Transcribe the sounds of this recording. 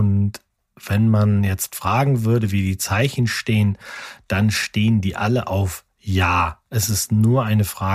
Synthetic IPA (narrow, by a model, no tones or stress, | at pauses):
ʊnt | v̥ɛnmanjɛt͡stfʁ̥aːɡŋ̩vʏɐɾəviːdiːt͡saɪçn̩ʃteːənd̥anʃteːəndiːʔaləʔaʊf | jaːʔɛsɪstnuːɐʔaɪnəfʁ̥aː